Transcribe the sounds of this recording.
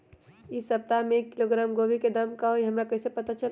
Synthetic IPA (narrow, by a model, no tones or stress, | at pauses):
ɪsɐp̚t̪amẽkːɪloɡɾaːmɡoːbʱiked̪amkaɦoiɦɐmɾakɐɦisepɐt̪at͡ʃɐl